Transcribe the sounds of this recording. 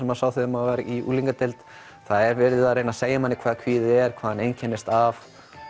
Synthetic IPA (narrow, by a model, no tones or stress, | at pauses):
ɛmasaːwθɪðʏmaaɾiʔṵːliŋkat̪elt̪ | θaðɛɾvɛɾɪðɪðaðrejnaseːjamanːɪkʰvaːðkʰviːðɪɛɾ̥kʰvaːðanejncʰɛnɪst̪av